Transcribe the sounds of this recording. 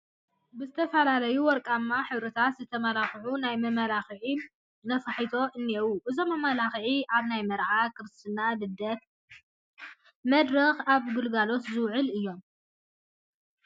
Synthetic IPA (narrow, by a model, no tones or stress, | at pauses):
bɨzɨt̪ʰɐfɐlalɐjuwɔɾkʼamːaħɨβɾɐt̪ʰat̪zɨt̪ʰɐmɐlaxʕunajmɐmɐlaxʕi | nɐfaħit̪ʰo̞ʔɨnːewuʔɨzo̞mːɐmalaxʕiaβnajmɐɾʕakʰɨɾɨst̪ʰɨnːadɨd̪ɐt̪̚ | mɐd̪ɾɐxaβɡɨlɡalo̞t̪zɨwʕɨlɨjːo̞m